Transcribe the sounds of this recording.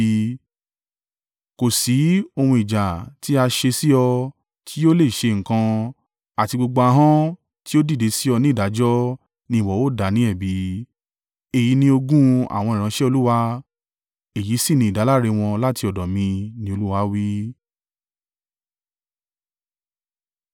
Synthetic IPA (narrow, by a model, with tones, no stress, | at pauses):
ko˨si˨˦o˧hũ˧i˨d͡ʒa˨ti˦a˧ʃe˧si˦ɔ˧ | tʰi˦jo˦le˦˨ʃe˧ŋ̩˨kã˧ | a˨ti˧ɡ͡bo˧ɡ͡bo˧a˧ɦã˦ | ti˦o˦di˦˨de˨˧˦si˦ɔ˧nĩ˦˨da˨˦d͡ʒɔ˦ | nĩ˧˦˨wɔ˨˦wo˦˨da˨˦nĩ˨˦ɛ˦˨bi˨˦ | e˨ji˨˦nĩ˧o˧ɡũ˦a̰˨w̃ɔ̃˧i˨ɾ̃ã˧˦ʃɛ˦o˧lu˦wa˦ | e˨ji˨˦si˦˨nĩ˧˨da˨˦la˦ɾe˧w̃ɔ̃˧la˦ti˧ɔ˨dɔ˨mĩ˧nĩ˧o˧lu˦wa˧˦wi˦